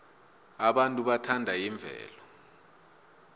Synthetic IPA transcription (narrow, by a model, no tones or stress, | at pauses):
aɓantʼuɓatʰandʱajiɱb̪vʱɛ̰ːlɔ